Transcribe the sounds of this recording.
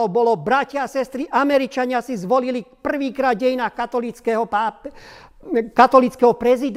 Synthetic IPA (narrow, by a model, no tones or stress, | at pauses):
ɔbɔlɔbɾacɪaːsɛst̪ɾiʔamɛɾit͡ʃaɲɪasizʋɔlilipr̩ʋiːkɾaːd̪̚ɟɛjinaːxkat̪ɔlit͡skɛɦɔpaːp | kat̪ɔlit͡skɛɦɔpɾɛzid̪